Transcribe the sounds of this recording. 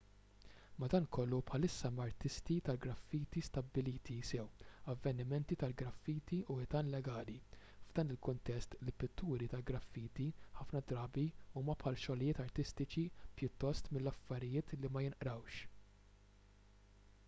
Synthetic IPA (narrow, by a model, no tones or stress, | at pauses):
mɐd̪ɐːnkɔlːupħɐlɪsːɐmɐɾt̪ɪst̪it̪ɐlɡɾɐfːiːt̪ist̪ɐbːɪliːt̪ʰisɛwɐvːɛnɪmɛnt̪it̪ɐlɡɾɐfːiːt̪iʔuɪt̪ɐːnlɛɡɐːli | vd̪ɐːnɪlkʊnt̪ɛst̪lɪpːɪt̪ʰːuːɾit̪ɐlɡɾɐfːiːt̪iħɐfnɐd̪ɾɐːbiuːmɐpħɐːlʃɔlɪjɪːt̪ɐɾt̪ɪst̪ɪt͡ʃipjʊt̪ːɔst̪mɪlːɐfːɐɾɪjɪːt̪limɐjɪnʔɾɐwʃ